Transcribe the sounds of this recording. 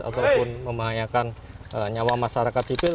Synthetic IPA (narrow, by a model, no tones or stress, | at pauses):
a̰t̪awpʊnməmbaɦajakanəɲawamaʃaɾakat̪sipɪl